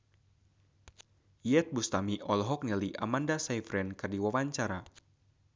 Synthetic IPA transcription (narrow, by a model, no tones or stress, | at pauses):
jɛt̪̚bust̪amiʔɔlɦɔk̚nɛliʔa̰mandasajfɾɛnkɨrdiwawaɲt͡ʃaɾa